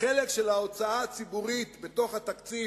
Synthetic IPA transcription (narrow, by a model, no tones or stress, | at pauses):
ele̞kʃelao̞t͡saat͡sibuʁit̪bet̪o̞χhat̪akt͡si